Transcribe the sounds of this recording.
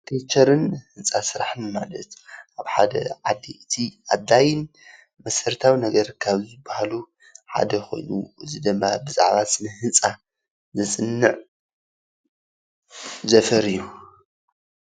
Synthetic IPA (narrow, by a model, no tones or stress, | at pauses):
t̪ʰet͡ʃʰɐɾɨnhɨnsʼasɨɾaħɨnmalɐt̪ʔaβħad̪ɐ̰ʕad̪ːiɨt̪ʰiʔad̪ːajɪn | mɐsɐɾt̪ʰawinɐɡɐɾkʰaβzɨbːahalu | ħa̰d̪ɐxo̞̰jnṵɨzid̪ɨmːabɨza̰ʕβat̪nɨhɨnt͡sʼa | zɐsʼɨnːɨʕ | zɐfɐɾiju